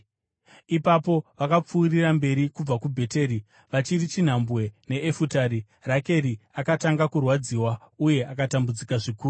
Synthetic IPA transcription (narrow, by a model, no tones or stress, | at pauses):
ipapo̞ʋakap͡fuːrirambe̞ɾikub͡vakubʱe̞te̞ːɾi | ʋat͡ʃirit͡ʃin̤ambwe̞ne̞ːfutaːɾi | rake̞ɾiakataŋɡakurwad͡ziːwauje̞ʔakatambud͡zikaʐikuːru